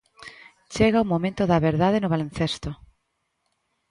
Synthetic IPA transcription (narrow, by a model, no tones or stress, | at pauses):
t͡ʃeɣaumõmẽnt̪ʊðɐβeɾðaðenʊβalẽn̟θest̪ʊ